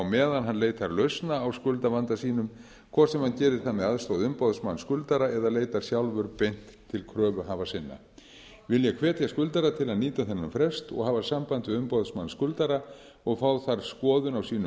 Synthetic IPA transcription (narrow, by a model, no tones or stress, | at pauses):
wmɛːðanɦanleːjt̪θaɾlœɥsnaːwskʏlt̪avant̪asiːnʏm | kʰvɔːsɛmhancɛːɾɪɾ̥θamɛðaðst̪owðʏmpɔðsmanːskʏlt̪aɾaɛðaleːjt̪aɾ̥sjawlvʏɾpejn̥t̪ʰːɪlkʰɾœːvʏɦaːvasɪnːa̰ | vɪljɛkʰvɛːt̪jaskʏlt̪aɾat̪ʰɪlaðniːt̪aθɛnːamfɾɛst̪ɔ̰ɣhaːvasampant̪ʏʏmpɔðsmanskʏlt̪aɾa | ɔɣfaːwθaɾ̥skɔːðʏnawsiːnʏ